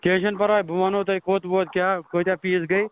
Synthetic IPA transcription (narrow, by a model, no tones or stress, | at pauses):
kẽːʃənpɐɾaːebʱɐʋanõːt̪ɐikoːt̪boːt̪̚kjaːkoːit̪jaːpiːsɡəiː